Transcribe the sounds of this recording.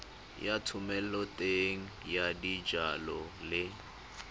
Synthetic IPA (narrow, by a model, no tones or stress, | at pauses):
jatʰumɛl̩lɔtʼeŋ̩jadid͡ʒalɔlɪ